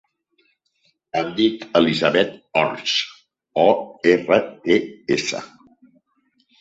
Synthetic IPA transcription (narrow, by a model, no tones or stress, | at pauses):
əmd̪it̪əlizaβɛt̪ɔɾs | ɔerəeesə̰